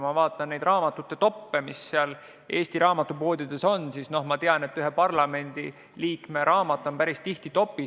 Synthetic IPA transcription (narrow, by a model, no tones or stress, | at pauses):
mɑvɑːt̪ːˑɑnne̞jd̪rʔɑːmɑt̪ːˑut̪ːe̞t̪o̞pːemisːeɑl | ʔe̞ːst̪iɾɑːmɑt̪ːˑupo̞ːd̪̥ʲid̪̥e̞so̞nsiːsno̞hmɑt̪eɑne̞t̪ːˑyɦe̞pɑrlɑme̞nd̪̥ḭ | liːkme̞ɾʔɑːmɑt̪ːˑo̞mpæɾist̪iht̪it̪o̞pːˑi